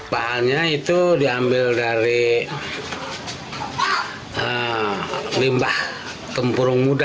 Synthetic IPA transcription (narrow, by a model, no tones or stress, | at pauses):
paɦalɲait̪udiambɪldaɾi | ə | limbah | t̪əmpuɾʊŋmud